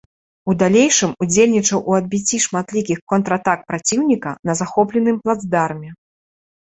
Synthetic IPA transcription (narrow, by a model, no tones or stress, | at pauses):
ud̪alʲejʂɨmud͡zʲelʲnʲit͡ʂɐwʔuɐd̪̚bʲit͡sʲːiʂmat̪lʲikʲixkɔnt̪ɾɐat̪ak̚pɾat͡sʲiwnʲikɐnɐzaxɔplʲɛnɨmplˠad̪zd̪armʲɛ